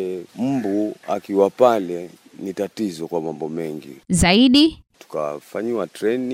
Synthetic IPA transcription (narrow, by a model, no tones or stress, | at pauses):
m̩bua̰kiwapalɛ | nitatizɔkwamambɔmɛŋɡḭzaiɗi | tu̥kafaɲiwatɾɛni